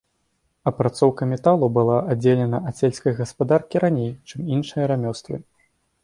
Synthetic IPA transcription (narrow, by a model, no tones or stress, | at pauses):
ɐpɾat̪sɔwkɐmʲɛt̪alˠubɨlˠaʔad͡zʲelʲɛnɐʔɐsʲelʲsʲkɐjɣɐspad̪arkʲiɾanʲejt͡ʂɨminʂɨjɐɾamʲɔst̪vɨ̰